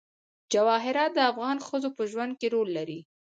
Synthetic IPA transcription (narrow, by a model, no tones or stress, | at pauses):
d͡ʒawɑɦɪɾɑt̪̚d̪əafɣɑnxəzopəʒwand̪̚keɾolːaɾi